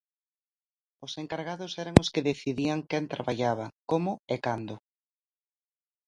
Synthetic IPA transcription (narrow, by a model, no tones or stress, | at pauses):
ʊseŋkaɾɣaðʊsɛɾaŋʊskɪðeθiðiaŋkɛnt̪ɾaβaʎaβ̞akomʊekand̪ʊ